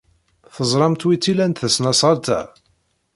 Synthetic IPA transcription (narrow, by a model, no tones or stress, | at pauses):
θəzˤɾˤɑmt̪wit͡sːilænt̪θəsnɑsˤɑɾt̪æ̰